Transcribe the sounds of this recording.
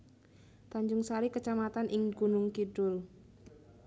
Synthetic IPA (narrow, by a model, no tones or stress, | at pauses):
t̪aɲd͡ʒʊŋsaɾikət͡ʃamat̪anʔɪŋɡunʊŋkidʊl